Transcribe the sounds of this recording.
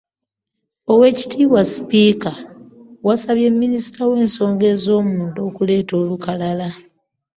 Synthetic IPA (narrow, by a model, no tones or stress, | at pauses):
o̞we̞ːci̥tiːwaspiːkawasaβje̞mːinisi̥tʰawe̞ːnso̞ːŋɡe̞ːzo̞ːmuːnto̞kule̞ːto̞ːlukalala